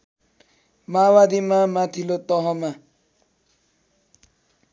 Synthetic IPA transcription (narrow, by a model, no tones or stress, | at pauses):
mawad̪imamat̪ʰilot̪ʌɦʌma